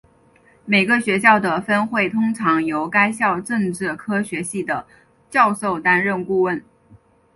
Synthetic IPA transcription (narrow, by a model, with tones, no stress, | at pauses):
me˨˩ɪɡə˧ɕɥɛ˧˥ɕ̬jɑ˥˩ʊd̪ə˩fə˥nxwe˥˩ɪt̪ʰʊ˥ŋʈ͡ʂʰɑ˧˥ŋjo˧˥ʊka˥ɪɕjɑ˥˧ʊʈ͡ʂɤ˥˧ŋʈ͡ʂɻ̩˥˩kʰɤ˥ɕɥɛ˧˥ɕi˥˩d̪ə˩ | t͡ɕjɑ˥˧ʊʂo˥˩ʊt̪a˥nɻə˥˧nku˥˧wə˥˩n